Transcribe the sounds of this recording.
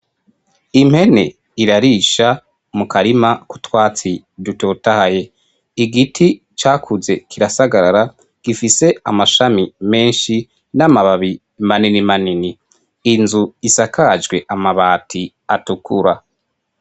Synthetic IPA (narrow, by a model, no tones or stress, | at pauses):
im̥he̞ne̞̰ | iɾaɾiʃa | mukaɾimaku̥twaːt͡si | dutoːtahaje̞ | iɡitʰi | t͡ʃaːkʰuze̞kʰiɾasaɡaɾaɾa | ɡ̥ifise̞a̰maʃamime̞ːnʃi | namaβaβi | maninimaniniː | nzuisakad͡ʒɡwe̞ʔamaβaːtʰi | atukʰuɾa